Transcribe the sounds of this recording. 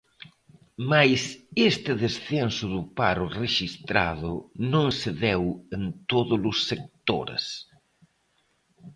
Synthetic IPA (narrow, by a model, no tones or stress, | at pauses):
majsest̪ɪðesθɛnsʊðʊpa̰ɾʊreʃist̪ɾa̰ðʊnõŋseðɛwent̪oðʊlʊsːek̚t̪o̰ɾḛs